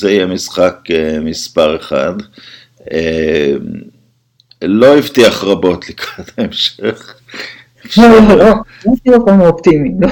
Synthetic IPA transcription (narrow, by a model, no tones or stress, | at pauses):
zeijɛmisχakemispaʁeχa̰d̪ | em | lo̞ivt̪iaχʁabo̞t̪likʁat̪haemʃeχ | ʃooo | aʃilokonopt̪imilo